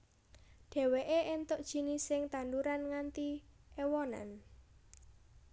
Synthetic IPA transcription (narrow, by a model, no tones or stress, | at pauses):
ɖ̥ɛ̤weʔeʔent̪oʔd̥ʒ̥i̤nisɪŋt̪and̪uɾanŋant̪iʔewɔna̰n